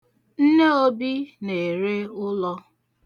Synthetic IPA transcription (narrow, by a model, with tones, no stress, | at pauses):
n̩˦ne˦o˦bi˦ne˨ɾe˦ʊ˦lɔ˦